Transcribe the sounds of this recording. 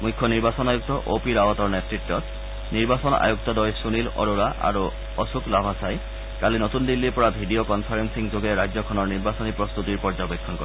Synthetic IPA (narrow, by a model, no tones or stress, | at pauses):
mujkʰːɔniɹbasɔnajuk̚t̪ɔʔopiɹawɔtɔɹnetɹitːɔt | niɹbasɔna̰juk̚t̪ɔdɔjsunilɔ̰ɹoɹaʔa̰ɹu | ɔsuklabʱasaj | kalinɔtundilːipɔɹabʱidiokɔnpʰaɹensiŋzoɡɛɹajzɔkʰɔnɔɹniɹbasɔnipɹɔst̪utiɹpɔɹzɔbekʰːɔnkɔ̰